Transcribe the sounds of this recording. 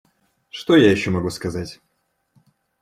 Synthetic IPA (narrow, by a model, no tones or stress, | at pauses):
ʂt̪o̞jajɪɕːo̞mɐɡuskɐzatʲ